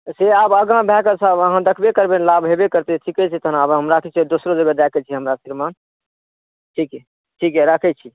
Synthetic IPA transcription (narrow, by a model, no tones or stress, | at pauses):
seabəɡãbʱɛkəsʰəbəɦãd̪əkʰbekəɾbenlabʱɦebekəɾt̪eʈʰikɛt͡ʃʰɛt̪əɦnabɦəmɾakʰɛt͡ʃʰid̪osɾod͡ʒəɡəd̪ɛkʰɛt͡ʃʰiɦəmɾasiɾman | ʈʰikɦɛ | ʈʰikɦɛɾəkʰɛt͡ʃʰi